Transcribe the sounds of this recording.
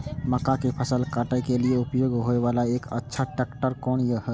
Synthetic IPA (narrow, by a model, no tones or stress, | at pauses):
məkakepʰəsəlkaːʈajkelieupjoːɡɦoeʋalaeːkə̰tːʃʰaʈɛkʈəɾkɔːnjəhə